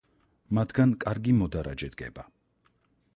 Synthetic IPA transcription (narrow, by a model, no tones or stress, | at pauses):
mat̪ʰɡankʼaɾɡimɔd̪aɾa̰d͡ʒɛd̪ɡɛ̰ba